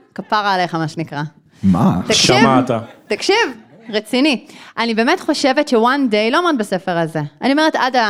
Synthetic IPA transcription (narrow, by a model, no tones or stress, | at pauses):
kapaʁaːlejχamaʃenikʁa | mat̪akʃimvat̪at̪akʃiv | ʁet͡siniʔanibeːme̞tχo̞ʃe̞vett͡ʃʃewandejloamadbase̞feʁaze̞anioeetada